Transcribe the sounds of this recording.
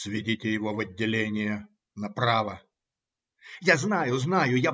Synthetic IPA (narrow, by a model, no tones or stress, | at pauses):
svʲɪdʲitʲɪjɪvovɐd̪ʲːɪlʲenʲɪjə | nɐpɾavə | jaznajʊznajʊja